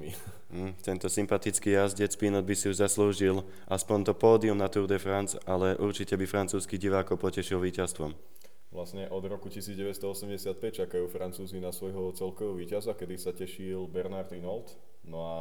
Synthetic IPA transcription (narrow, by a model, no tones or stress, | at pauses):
mi | m̩t̪ɛnt̪ɔsimpat̪it͡skiːjazɟɛt͡spinɔd̪̚bisiuʒzasluːʒil | ʔaspɔnt̪ɔpɔːd̪iumnat̪uɾd̪ɛfɾant͡salɛʔuɾt͡ʃicɛbifɾant͡suːskiɟiʋaːkɔpɔcɛʃilʋiːcast̪ʋɔm | ʋlasɲɛʔɔd̪ɾɔkucisiːd͡zɟɛʋɛst̪ɔɔsɛmɟɛsɪat̪̚pɛc̚t͡ʃakajuːfɾant͡suːzinasʋɔjɦɔt͡sɛlkɔʋɛɔʋiːcazakɛd̪isacɛʃilbɛɾnaɾt̪inɔlt̪ | nɔa